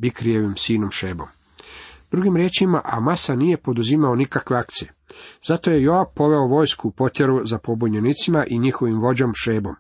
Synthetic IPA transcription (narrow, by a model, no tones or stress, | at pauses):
bikɾijeʋimsiːnomʃe̞ːbo̞̰m | d̪̥ɾuɡimɾje̞ːt͡ʃimaʔamasanije̞po̞d̪uzimao̞nikakʋe̞akt̪sijez̥at̪o̞je̞jo̞abpo̞ʋe̞oʋo̞ːjskupo̞t̪je̞ɾuzapo̞buɲenit̪simaʔiɲixo̞ʋimʋo̞d͡ʑo̞mʃe̞ːbo̞m